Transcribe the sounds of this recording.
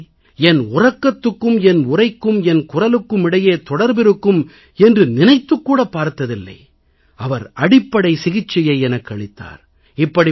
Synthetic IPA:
ɛnʊrɐkːɐt̪ːɯkːɯmɛnʊrɐɪkːɯmɛnkʊrɐlɯkːɯmɪɽɐjeːt̪ɔɽɐɾbɪɾɯkːɯm | ɛndrɯnɪnɐɪt̪ːɯkːuːɽɐpːaːɾt̪ɐðɪlːɐ̰ɪ | ɐʋɐɾɐɽɪpːɐɽɐɪsɪɣɪt͡ʃːɪjɐɪɛnɐkːɐɭɪt̪ːa̰ːɾ | ɪpːɐɽi

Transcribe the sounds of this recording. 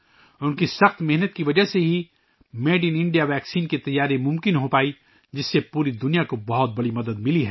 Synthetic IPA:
ʊnkisɐxt̪mɛɦnət̪̚kiʋɐd͡ʒəseɦi | meːɖinɪ̃ɳɖijaʋɛːksiːnket̪ɐjːaːɾemʊ̃mkɪnɦopaːi | d͡ʒɪsːepuːɾid̪ʊnijakobɐɦɔt̪̚bɐɽimɐd̪əd̪mɪliɦɛː

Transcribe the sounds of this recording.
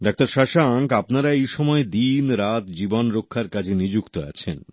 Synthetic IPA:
ɖak̚t̪aɾʃaʃaŋkapnaɾaejʃɔmɔed̪inɾat̪d͡ʑibonɾokʰːaɾkat͡ɕʰenid͡ʑukt̪oa̰t͡ɕʰen

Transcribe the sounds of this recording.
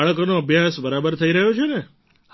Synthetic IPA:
ɭəkonoəbʱjasbəɾabəɾt̪ʰəiɾəɦjot͡ʃʰene | h

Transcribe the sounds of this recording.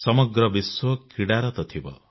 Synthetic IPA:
sɔmɔɡɾɔbiswɔkiɽaɾɔt̪ɔt̪ʰibɔ̰

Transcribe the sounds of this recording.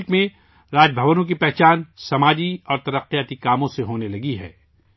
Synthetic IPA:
kmẽ | ɾaːd͡ʒbʱɐʋənõk̬ipɛɦt͡ʃaːnsɐmaːd͡ʒiɔːɾt̪ɐɾəqːijaːt̪ikaːmõseɦoːnelɐɡiɦɛ̰ː

